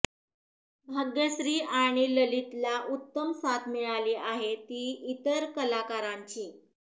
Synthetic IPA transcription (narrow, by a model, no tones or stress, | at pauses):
bʱəɡjəɕɾiːʔaɽ̃iləlit̪laʔut̪ːəmsat̪ʰmiɭaliːʔaɦet̪iːit̪əɾkəlakaɾaɲt͡ɕiː